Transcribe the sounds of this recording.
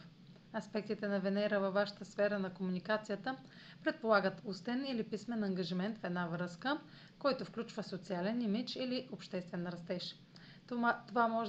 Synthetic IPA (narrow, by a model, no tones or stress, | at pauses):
ɐspɛk̚t̪it̪ɛnɐvɛnɛɾəvɐvːaʃə̥t̪əsfɛɾənɐkomunikat̪sijət̪ə | pɾɛt̪̚polˠaɡət̪ust̪ɛnilipismɛnɐŋɡɐʒimɛnt̪fɛd̪navɾɤskə | kɔjt̪ofklʲut͡ʃvəsot̪sialɛnimit͡ʃiliʔopʃt̪ɛst̪vɛnɾɐst̪ɛʃ | t̪ovamɔʒ